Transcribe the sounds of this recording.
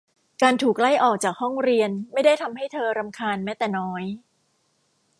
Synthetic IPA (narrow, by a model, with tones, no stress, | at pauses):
kaː˧nt̪ʰuː˨˩k̚la˥˩jʔɔː˨˩k̚t͡ɕaː˨˩k̚hɔ˥˩ŋɾi˧ənma˥˩jda˥˩jt̪ʰa˧mha˥˩jt̪ʰɤː˧ɾa˧mkʰaː˧nmɛː˦˥t̪ɛː˨˩nɔː˦˥j